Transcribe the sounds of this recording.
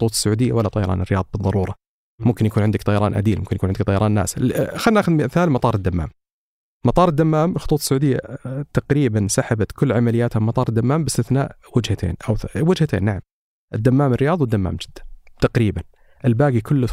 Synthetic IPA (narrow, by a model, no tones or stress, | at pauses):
t̪ˤuːt̪ˤsːʊʕuːd̪ɪjːawalːat̪ˤɑjɑɾˤɑ̰ːnɪrːɪjɑːðˤɑbɨðˤːɑɾˤuːɾˤɑ | mʊmkɪnjakuːnʕɪnd̪ɪkt̪ˤɑjɑɾˤɑːnʔa̰d̪iːlmʊmkɪnjkuːʕɪnd̪k̚t̪ˤɑjɑɾˤɑːnːa̰ːsɪlxadnːaːxʊd̪mimɪθaːlmɑt̪ˤɑːɾˤɨd̪ːamːa̰ːm | mɑt̪ˤɑːɾˤɨd̪ːamːaːmxʊt̪ˤuːt̪ˤsːʊʕuːd̪ɪjːa̰t̪ɑqɾiːbansaħabat̪kʊlːʕamalɪjaːt̪hamɑt̪ˤɑːɾˤd̪ːamːaːmbɪst̪ɪθnaːʔ | wɪd͡ʒhat̪ʰḛːnʔawwɪd͡ʒhat̪ʰḛːnːaʕam | ʔɪd̪ːamːaːmɪrːɪjɑːðˤɑwɪd̪ːamːa̰ːmd͡ʒɪd̪ːḁnt̪ɑqɾiːban | ʔɪlbaːɡikʰʊlː